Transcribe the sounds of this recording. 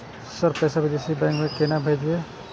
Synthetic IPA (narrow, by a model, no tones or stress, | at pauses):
səɾpɛjsabid̪esibɛ̃ŋkmẽkenabʱejd̪ie